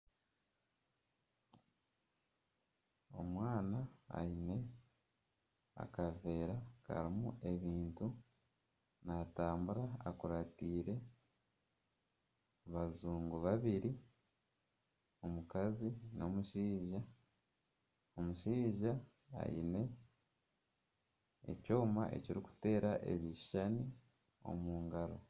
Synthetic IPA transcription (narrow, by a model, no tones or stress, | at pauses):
o̞̰mwaːnaa̰ine̞ | a̰kave̞ːɾaka̰ɾimuʔe̞βiːntu | naːtaːmbuɾa̰ːkuɾatiːɾe̞ | βazuːŋɡuβaβiɾi | o̞mukazino̞muʃiːʒa | o̞muʃiːʒa | a̰jḭne̞ | ḛco̞ːma̰ʔe̞̰ciɾiku̥te̞ːɾaʔḛβiʃani | o̞̰muːŋɡaɾo̞̰